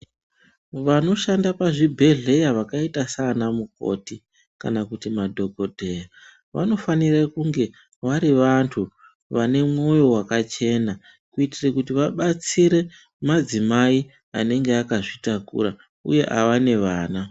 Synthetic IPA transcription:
ʋano̞ʃandapaʐibʱe̞ɮe̞jaʋakaitasanamuko̞̰ti | ka̰nakutimadʱo̞ɡʱo̞dʱe̞ja | ʋa̰no̞fanirakuŋɡe̞ | ʋaɾiʋantʰu | ʋane̞mŋo̞jo̞wakat͡ʃe̞na | kuitirekutiʋaɓat͡siɾe̞ | mad͡zimai | ane̞ŋɡeakaʐitakṵra | ṵje̞ʔa̰ʋane̞ʋaːna

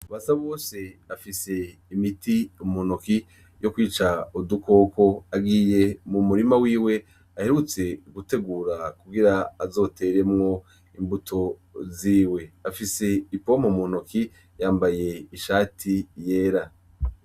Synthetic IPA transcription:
aβasaβo̞ːse̞afise̞ | imitiumunoki | jo̞kwiːt͡ʃauduko̞ko̞aɡiːje̞mumuɾimawiːwe̞ | ahe̞ɾut͡se̞ɡute̞ɡuːɾakuɡiɾaːzo̞te̞ːɾe̞mŋo̞ | imbutʰo̞ziːwe̞afise̞ipo̞momunoki | jaːmbaje̞iʃaːtʰije̞ːɾa

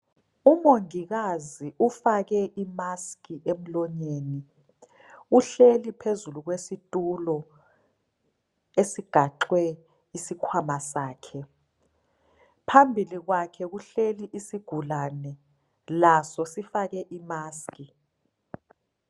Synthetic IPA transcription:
umoŋiɣaziʔufaɣɛʔimaskʼiʔem̩lɔɲeːni | uɬelipʰezuluɣ̬wesitʼulɔ | esiɡ̥ʱaǁwɛ | isikʰwamasaːkʰɛ | pʰambʱiliɣwakʰɛɣuɬeliʔisiɡ̥ʱulanɛ | lasɔsifaɣɛʔimaːski

